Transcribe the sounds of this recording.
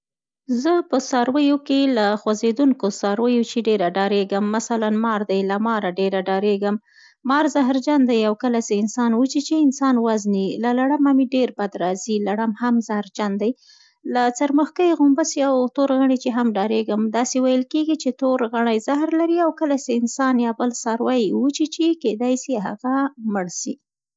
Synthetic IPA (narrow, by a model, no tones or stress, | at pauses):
zəpəsɑɾwəjokelaxwazed̪uŋkosɑɾwəjot͡ʃeɖeɾaɖɑɾeɡəmːasalanmɑɾd̪ajlamɑɾaɖeɾaɖɑɾeɡəmː | ɑɾzaɦɾd͡ʒand̪ajawkəlaseɪnsɑnwut͡ʃit͡ʃeɪnsɑnwaznilalaɽamamiɖeɾbad̪ɾɑzilaɽamhamzahɾd͡ʒand̪aj | lat͡saɾməxkəjɣʊmbasiawt̪oɾɣaɳ̃it͡ʃeɦamɖɑɾeɡəmd̪ɑsewajəlkeɡit͡ʃet̪oɾɣaɳ̃ajzaɦɾlaɾiawkəlaseɪnsɑnjɑbəlsɑɾwajwut͡ʃit͡ʃeked̪ɑjsiɦa̰ɣaməɽʃi